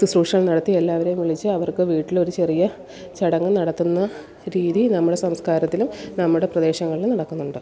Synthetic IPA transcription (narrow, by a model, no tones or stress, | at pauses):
ɨsruːʈʂɐŋːɐɭnɐɽɐt̪ːie̞lːaːʋɐɾe̞jumʋiɭit͡ɕːɨɐʋɐrkɨʋiːʈːilo̞ɾut͡ɕe̞rijɐ | t͡ɕɐɽɐŋːɐnɐɽɐt̪ːunːɐ | ɾiːðinɐmːuɽe̞sɐmskaːɾɐt̪ːilumnɐmːuɽe̞prɐd̪e̞ːɕɐŋːɐɭilumnɐɽɐkːunːuɳɖɨ